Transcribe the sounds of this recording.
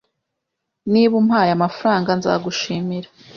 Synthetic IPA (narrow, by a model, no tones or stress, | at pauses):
niβumhaːjamafaɾaːŋɡanza̰ɡuʃiːmiɾḁ